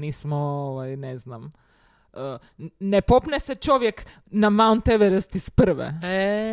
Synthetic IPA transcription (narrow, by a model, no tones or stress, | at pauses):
niːsmɔoʋajnɛznam | ə | nɛpopnɛsɛt͡ʃoʋjɛk | namant̪ɛʋɛɾəst̪ispr̩ʋɛ̰ɛ